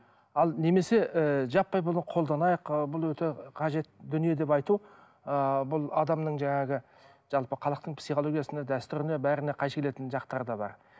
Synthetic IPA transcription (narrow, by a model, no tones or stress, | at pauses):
ɑlˠne̞me̞se̞əʒɑpːɑjbʊlˠnəqʰo̞lˠd̪ɑnɑjəqbʊlˠwɵt̪e̞qʰɑʒe̞t̪d̪ʏnije̞d̪e̞pɑjt̪u | əbʊlˠɑd̪ɑmnəɴʒɑɴɑɡʲɪ | ʒ̥ɑlˠpəqʰɑlˠəqt̪əɴpsiχolˠo̞ɡʲijasned̪æst̪ʏɾɪnebæɾɪne̞qʰɑjʃkʰe̞le̞t̪ɪnʒɑqt̪ɑɾd̪ɑbɑ̰ɾ